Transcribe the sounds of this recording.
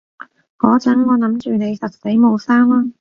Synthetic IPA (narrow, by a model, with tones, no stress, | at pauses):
ŋɔː˨˧t͡sɐ˨˥ŋŋɔː˨˧nɐ˨˥mt͡ʃyː˨ne˨˧jsɐ˨t̚se˨˥jmo˨˧wsaː˥maː˥